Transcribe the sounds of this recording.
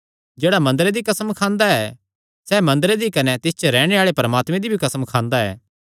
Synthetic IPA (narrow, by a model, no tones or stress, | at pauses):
d͡ʒeːɽamɐ̃nd̪əɾed̪ikɐsəmkʰãːnd̪aɛ | sɛːmɐ̃nd̪əɾed̪ikɐnɛt̪ɪst͡ʃəɾɛːɽ̃eaːɭepɐɾɐmaːt̪mẽd̪ibʱikɐsəmkʰãːnd̪aɛ̰ː